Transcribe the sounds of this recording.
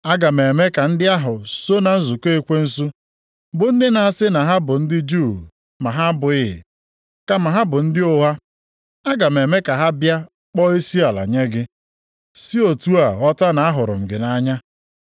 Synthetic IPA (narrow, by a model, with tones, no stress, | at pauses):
a˦ɡa˨me˨me˦ka˨n̩˦dɪ˦a˦ɦʊ˨so˦na˨n̩˦zu˨ke˦e˦kʷe˦n̩˦su˦ | bʊ˨n̩˦dɪ˦na˨a˨sɪ˦na˨ɦa˦bʊ˨n̩˦dɪ˦d͡ʒu˦˨ | ma˨ɦa˦bʊ˨ɪ˦ɪ̰˨ | ka˨ma˨ɦa˦bʊ˨n̩˦dɪ˦o˦ɦa˦ | a˦ɡa˨me˨me˦ka˨ɦa˦bja˦ | k͡pɔ˦e˦si˦a˨la̰˨ɲe˦ɡɪ˦ | si˦o˨tu˦a˨ɔ˦ta˦na˨a˦ɦʊ˨ɾʊ̰˨m̩˨ɡɪ˨na˦ɲa˦